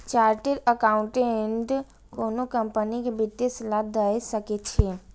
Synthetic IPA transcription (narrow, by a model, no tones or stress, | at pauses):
t͡ʃaːɾʈeɾəkaːʊ̃ɳʈeeɳɖ | koːnokə̃mpənikebɪt̪ːeslaːd̪əesəket͡ʃʰeː